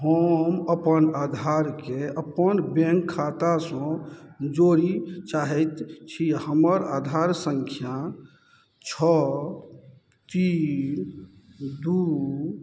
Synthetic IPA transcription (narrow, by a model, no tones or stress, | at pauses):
ɦəməpənad̪ʱaɾkeəpənbẽŋkʰːat̪asɔ̃d͡ʒoɾit͡ʃaɦɛt̪t͡ʃʰihəməɾad̪ʱaɾsəŋkʰja | t͡ʃʰɔ | t̪in | d̪u